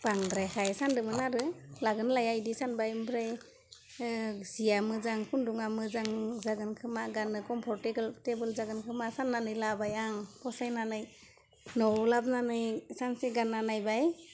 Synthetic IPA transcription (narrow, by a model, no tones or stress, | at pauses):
b̥aŋdɾajkʰajsandɯmɯnaɾɯlaɡɯnlajajdisanbajmbɾaj | sijamɯzaŋkʰunduŋamɯzaŋzaɡɯnkʰɯmaɡanɯkɔmpʰɔɾteɡɯltebɯlzaɡɯnkʰɯmasanːanɯjlabajaŋpʰɔsajnanɯj | nɔwlab̚nanɯjsanseɡanːanajbaj